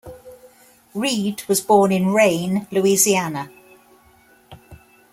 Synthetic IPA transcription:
ɹiːdwɒzbɔːnɪ̃nɹẽɪ̃nlʉizianə

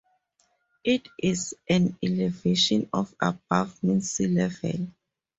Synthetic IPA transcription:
itisʔãnɛlɛveʃɔ̃nɔfa̰bavmɛ̃nsilɛvɛ̰l

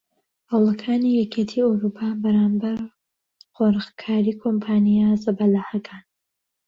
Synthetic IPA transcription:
hɐwlˠɐkʰaːnijɛkʰet̪ʰiːowɾupʰabɐɾaːmbɐɾ | χoɾxkʰaːɾikʰompʰaːnijazɐbɐlaħakʰaːn

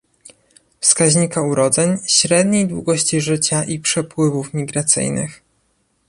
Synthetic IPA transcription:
fskaʑɲikauɾɔd̪zɛɲɕɾɛd̪ɲejd̪wṵɡɔɕt͡ɕiʐɘt͡ɕaʔipʂɛpwɘvufmʲiɡɾat̪sɘ̰jnɘ̰x

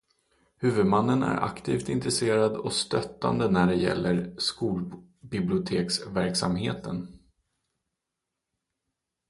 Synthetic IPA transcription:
hʉ̟ːvɵd̪manːənæ̰ɾʔa̰kt̪ʰiːft̪ɪnt̪ɾɛseːɾad̪ɔst̪œt̪ːa̰nd̪ənæɖɛjɛ̰lːʔəɾskuːl | bɪblɪʊt̪ʰeːksvæɾksamheːt̪ʰən

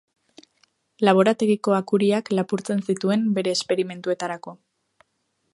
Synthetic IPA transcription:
laβ̞o̞ɾat̪e̞ɣiko̞akuɾiaklapuɾt͡se̞nsit̪ue̞mbe̞ɾe̞ːspe̞ɾime̞nt̪ue̞t̪aɾako̞

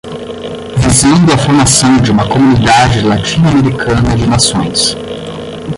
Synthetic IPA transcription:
vizẽnd̪ʊɐfoɾmasɐ̃w̃d͡ʒɪũmɐkomunid̪ad͡ʒɪlat͡ʃĩnʊameɾikʰɐ̃nɐd͡ʒɪnasõj̃s

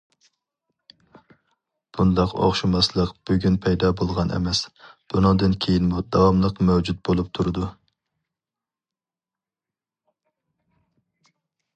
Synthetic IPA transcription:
b̥und̪ɑqo̰χʃumɑslˠəqb̥yɡʲynpʰɛjd̪ɑbolˠʁɑnʔɛ̰mɛsb̥unɨŋd̪ɨnkʲʰejinmud̪ɑwɑmlˠəqmɛwd͡ʒut̪̚bolˠup̚t̪ʰuɾɨd̪u

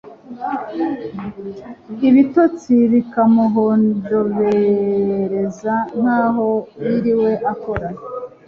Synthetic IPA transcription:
iβitot͡siβikamoɦondoβe | ɾezan̥haːɦo̞βiɾiwe̞ʔako̞ɾa

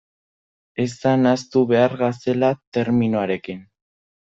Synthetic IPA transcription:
esanast̪uβe̞aɾɣase̞lat̪e̞ɾminoaɾe̞kin

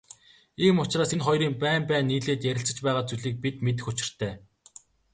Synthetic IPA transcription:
iːmʊt͡ɕraːsenχɔjɾiːmpæːmpæːnːiːɮeːt̪jæɾʲɪ̆ɬt͡sə̆t͡ɕpæːʁaːt͡suɮiːk̚pit̪met̪̬ɘ̆xʊt͡ɕɪ̥̆r̥t̪ʰæː

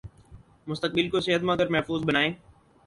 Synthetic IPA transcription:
mʊst̪ək̚bɪlkoseɦət̪mãkəɾmɛɦfuːzbənaːẽː

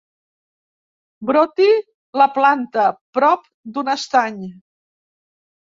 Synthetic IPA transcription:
bɾot̪i | ləplant̪əpɾɔp̚ | d̪unəst̪aɲ

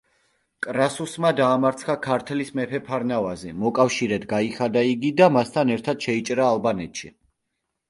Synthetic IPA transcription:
kʼɾasusmad̪aːmaɾt̪sʰχakʰaɾt̪ʰɛlismɛpʰɛpʰaɾnavazɛmɔkʼafʃiɾɛd̪ɡaiχad̪aiɡid̪amast̪ʰanɛɾt̪ʰad̪̥ʃɛit͡ʃʼɾaːlˠbanɛt̪ʃi

